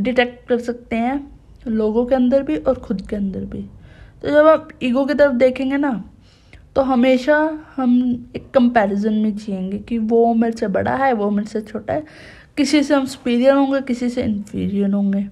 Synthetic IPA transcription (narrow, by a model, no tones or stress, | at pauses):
ɖɪʈɛːk̚ʈ̚kɐɾsɐk̚t̪eɦɛ̃ː | loːɡõkeɐ̃nd̪əɾbʱiʔɔːɾxʰʊd̪keɐ̃nd̪əɾbʱit̪od͡ʒɐbaːpiːɡok̬it̪əɾəfd̪eːkʰẽːŋɡena | t̪oɦɐmeːʃahɐmeːkːə̃mpɛːɾɪzənmẽt͡ʃiẽːŋɡekiʋoːmeːɾsebɐ̰ɽa̰ɦɛʋomeːɾset͡ʃʰoːʈa̰ɦɛː | kɪsiseɦɐmspiːɾijəlɦõːŋɡekɪsiseɪ̰̃nfʰḭːɾijəɾɦõːŋɡeː